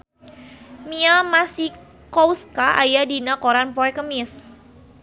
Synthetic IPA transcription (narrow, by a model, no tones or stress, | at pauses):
miamasi | kɔwskaʔa̰jadinakoɾanpɔɛkəmɪs